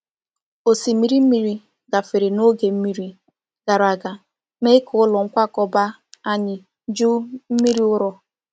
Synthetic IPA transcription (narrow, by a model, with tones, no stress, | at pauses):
o˨si˨˦mi˦ɾi˦m̩˦mi˦ɾi˦ | ɡa˨fe˨ɾe˨no˦ɡe˨m̩˦mi˦ɾi˦ | ɡ̥a˨ɾa˨ɡa˨ | me˦kʰʊ˨ʊ˦lɔ˨ŋ̩˦kʷa˦kɔ˨ba˦ | a˦ɲɪ˨˦ | d͡ʒu˦m̩˦mi˦ɾi˦ʊ˦ɾɔ˦